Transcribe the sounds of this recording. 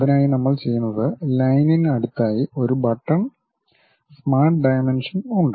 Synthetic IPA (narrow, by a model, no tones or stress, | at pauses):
ɐðinaːjinɐmːɐɭt͡ɕe̞jːunːɐðɨlɐjninɐɽut̪ːaːjio̞ɾubɐʈːɐɳ | smaːrʈɖɐjmenʂɐnuɳɖɨ